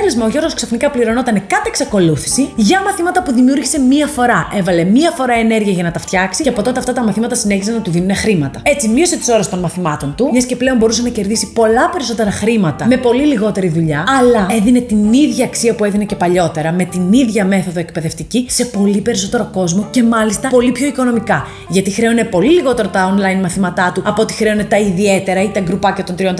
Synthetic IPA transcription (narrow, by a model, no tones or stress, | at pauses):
lizmɐoʝo̞ɾɣosksɐfnikɐpliɾo̞no̞t̪ɐne̞kɐt̪eeksɐko̞luθi̥siʝɐmɐθimɐt̪ɐpuðimiuɾʝise̞miɐfo̞ɾɐʔe̞vɐle̞miɐfo̞ɾɐene̞ɾʝiɐʝɐnɐt̪ɐft̪çɐksiceɐpo̞t̪o̞t̪eɐft̪ɐt̪ɐmɐθimɐt̪ɐsine̞çizɐnɐt̪uðinune̞xɾimɐt̪ɐe̞t͡simio̞se̞t̪i̥so̞ɾɐst̪o̞nmɐθimɐt̪o̞nt̪umɲɐsce̞ple̞o̞mbo̞ɾusɐnɐce̞ɾðisipo̞lɐpe̞ɾiso̞t̪e̞ɾɐxɾimɐt̪ɐme̞po̞liliɣo̞t̪e̞ɾiðuʎɐɐlɐe̞ðine̞t̪iniðʝɐːksiɐpue̞ðinece̞pɐʎo̞t̪e̞ɾɐme̞t̪iniðʝɐme̞θo̞ðoe̞k̚pe̞ðe̞ft̪icise̞po̞lipe̞ɾiso̞t̪e̞ɾo̞ko̞zmo̞ce̞mɐlist̪ɐpo̞lipço̞iko̞no̞mikɐ | ʝɐt̪ixɾe̞une̞po̞liliɣo̞t̪e̞ɾot̪ɐonlɐjnmɐθimɐt̪ɐt̪uɐpoot̪i̥xɾe̞une̞t̪ɐiðie̞t̪e̞ɾɐit̪ɐɡɾupɐcɐt̪o̞nt̪ɾiot̪